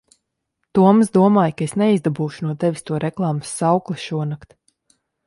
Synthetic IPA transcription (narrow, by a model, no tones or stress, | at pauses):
t̪uɔmzd̪uɔmaːjkaesnɛizd̪abuːʃu̥nuɔt̪ɛvʲist̪uɔɾʔɛklˠɑːmɨsːawklˠiʃuɔnakt̪